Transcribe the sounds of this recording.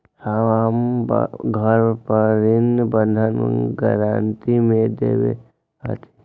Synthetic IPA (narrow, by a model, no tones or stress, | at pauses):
haʋamb̰ɡʱəɾpəɾɪnbənd̪ʱənɡə̰ɾaːnt̪imẽd̪ḛːʋḛ | a̰t̪ʰe̥